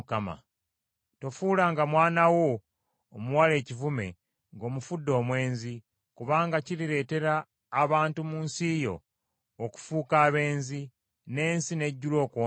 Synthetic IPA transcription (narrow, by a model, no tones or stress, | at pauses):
kama̰ | to̞fuːlaŋɡamwaːnawo̞ː | muwale̞ːcivume̞̰ | ŋɡo̞ːmufudːo̞ːmwe̞ːnzi | kuβaːŋɡaciɾiɾe̞ːte̞ɾaː | βaːntumuːnsiːjo̞̰ː | ku̥fuːkaːβe̞ːnzi | ne̞ːnsine̞ɟːulo̞ːkwoː